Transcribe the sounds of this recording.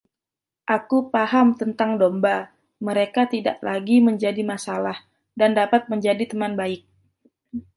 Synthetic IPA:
ʔakupaɦamt̪ənt̪aŋdomba | məɾekat̪ida̰ʔlaɡiməɲd͡ʒadimasalah | dandapat̪̚məɲd͡ʒadit̪əmanbaɪk̚

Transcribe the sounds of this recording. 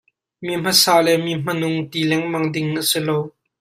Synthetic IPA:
mim̥ɐsaːlɛmim̥ɐnʊŋt̪ilɛŋmɐŋdɪŋʔəsɪlow

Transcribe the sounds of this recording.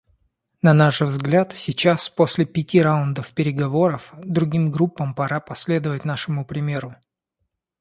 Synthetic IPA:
nɐnaʂvzɡlʲat̪sʲɪt͡ɕaspo̞sʲlʲɪpʲɪtʲiɾaʊnd̪əfpʲɪɾʲɪɡɐvo̞ɾəfd̪ɾʊɡʲimɡɾupːəmpɐɾapɐsʲlʲe̞d̪əvətʲnaʂɨmʊpɾʲɪmʲe̞ɾʊ

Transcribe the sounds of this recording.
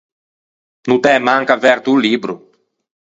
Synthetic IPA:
nut̪ɛmaŋkavɛɾt̪uliːbɾu

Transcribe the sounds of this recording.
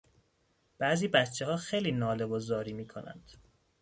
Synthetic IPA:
b̥æːziːbætt͡ʃʰːehɒːxejliːnɒːlebozɒːɾiːmiːkʰonæ̰nd̪̥

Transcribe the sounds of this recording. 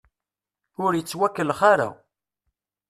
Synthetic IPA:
ʊɾjət͡sːwækːəlχaɾæ̰w

